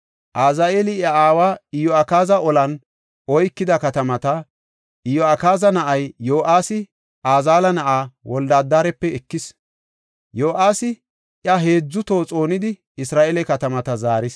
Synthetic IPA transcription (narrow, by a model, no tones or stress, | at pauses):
ʔaːzaeːlɪjɐaːwaːɪjɔɐkaːzɐʔɔlɐn | ɔjkːɪd̪ɐkɐt̪ɐmɐt̪ɐ | ʔɪjɔɐkaːzɐnɐʔɐjːoːʔaːsɪ | ʔaːzaːlɐnɐʔaːwɔld̪aːd̪ːaːɾɛpːɛɛkːɪs | joːʔaːsɪ | ʔjɐɦe̞ːd͡zːʊt̪oːt͡sʼo̞ːnɪd̪ɪ | ɪsɾaːʔelɛkɐt̪ɐmɐt̪ɐzaːɾɪs